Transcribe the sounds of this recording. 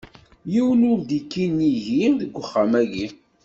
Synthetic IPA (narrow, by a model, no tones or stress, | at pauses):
jiwlʊɾd̪ikːiniʝimðəɡʷːəχːamæʝi